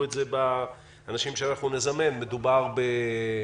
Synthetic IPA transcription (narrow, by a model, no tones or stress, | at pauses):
etzebaː | naʃimʃeanaχnune̞zame̞nːe̞dubaʁbe